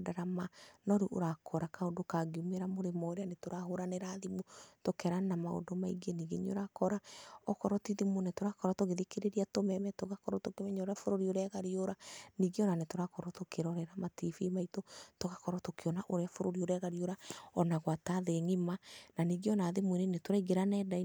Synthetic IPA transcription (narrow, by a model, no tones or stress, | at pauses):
daɾamanɔɾeʔo̰ɾakʰɔɾakaodokaɡeumeɾamoɾemɔɾeanetoɾahoɾaneɾaðimutokɛɾanamao̰domaiɡeniɡḛɲo̰ɾakɔɾaɔkɔɾɔtiðimunetoɾakɔɾatoɣeðekeɾeɾiatomɛmɛtoɣakɔɾɔtokemɛɲaoɾeafoɾoɾioɾɛɣaɾioɾaniɡeɔnanetoɾakɔɾɔtokeɾɔɾɛɾamatifimaitotoɣakɔɾɔtokʰeɔnaʔoɾeafoɾoɾioɾɛɣaɾioɾaɔnaɣwataðeŋimananiːɡeɔnaðemuinenetoɾaiɡeɾanɛːdai